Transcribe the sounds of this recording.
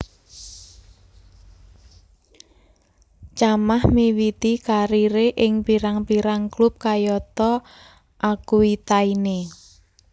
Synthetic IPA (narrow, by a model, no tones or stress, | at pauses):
t͡ʃamahmiwit̪ikaɾiɾeʔɪŋpiɾaŋpiɾaŋklʊp̚kajɔt̪ɔ | ʔakuit̪aine